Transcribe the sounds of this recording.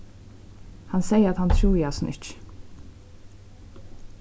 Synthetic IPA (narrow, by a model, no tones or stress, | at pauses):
hansɛjəɾat̪hant̪ʰɾuːjasnʔɪ̰ht͡ʃ